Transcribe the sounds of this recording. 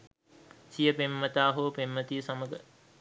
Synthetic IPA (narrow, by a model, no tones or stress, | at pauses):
sijəpemːət̪aːɦoːpemːət̪iəsaməɡə